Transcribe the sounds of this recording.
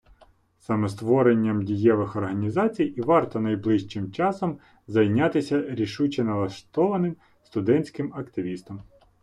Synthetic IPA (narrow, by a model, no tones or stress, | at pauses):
sɑmɛst̪ʋɔɾenʲːɐmdʲijɛʋɪxɔrɦɐnʲizɑt͡sʲijiʋɑrt̪ɔnɐjblˠɪʃt͡ʃɪmt͡ʃɑsɔm | zɐjnʲɑt̪ɪsʲɐɾʲiʃut͡ʃɛnɐlˠɐʃt̪ɔʋɐnɪm | st̪ʊd̪ɛnʲt͡sʲkɪmɐkt̪ɪʋʲist̪ɐm